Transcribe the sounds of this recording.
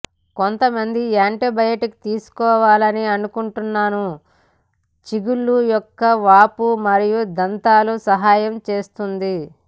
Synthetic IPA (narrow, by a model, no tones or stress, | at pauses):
kont̪ɐmɐnd̪iaːɳʈebɐjɐʈiki̥t̪iːsu̥kɔːʋaːlɐniɐnukuɳʈunːaːnu | t͡ʃiɡuɭːujɔkːɐʋaːpumɐɾijud̪ɐnt̪aːlusɐɦaːjɐmt͡ʃe̞ːst̪und̪i